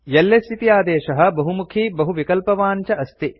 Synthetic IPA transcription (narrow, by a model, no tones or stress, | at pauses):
jɐlːest̪ʰit̪ijaːd̪eːʃɐɦɐ̆bɐɦumukʰiːbɐɦuʋikɐlpɐʋaːɲt͡ʃɐʔɐst̪i